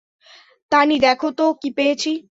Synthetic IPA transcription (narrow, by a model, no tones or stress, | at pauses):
t̪anid̪ɛkʰot̪okipejet͡ɕʰi